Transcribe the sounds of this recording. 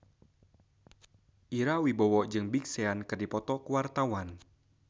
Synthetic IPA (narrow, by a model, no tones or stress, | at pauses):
ʔiɾawibɔwɔʔd͡ʒɨŋbik̚seankɨrdipɔt̪ɔkuwart̪awan